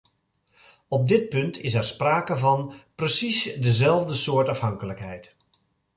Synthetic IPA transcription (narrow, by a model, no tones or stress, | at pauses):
ɔb̚dɪt̚pɵntʰɪsɛɹspraːkəvɑnprəsisdəzɛlˠvdəsʊːɹtɑfɦɑŋkələkɦɛjt